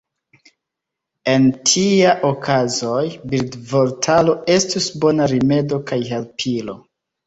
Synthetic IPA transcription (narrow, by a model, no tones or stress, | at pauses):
e̞ntʰiaʔokʰazo̞jbiɾdvo̞ɾtʰalo̞e̞stusbo̞naɾime̞do̞kajɦelpʰilo̞